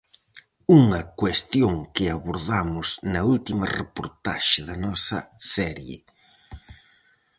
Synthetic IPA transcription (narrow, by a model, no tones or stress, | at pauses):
uŋɐkwest̪joŋkɪaβoɾðamʊznɐult̪imɐ̰repoɾt̪a̰ʃɪðɐnɔsɐ̰sɛɾjɪ̰